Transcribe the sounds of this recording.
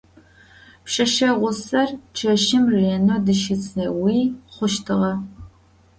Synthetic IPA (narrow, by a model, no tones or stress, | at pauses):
pʂɐʃɐʁʷʊsɐrt͡ʃʰɐʃɪmreːnodɨʃɪt͡sʰʼɐwiːχʷʊʃtʰɨʁɐ